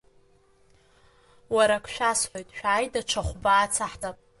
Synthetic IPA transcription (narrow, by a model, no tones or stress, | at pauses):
waɾakʷʰʃᶣasħojtʼʃᶣaːjdaʈ͡ʂʷʰaχʷbaːt͡sʰaħtʰapʼ